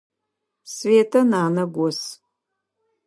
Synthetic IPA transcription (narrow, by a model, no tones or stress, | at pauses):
sveːtʰɐnaːnɐɡʷɔs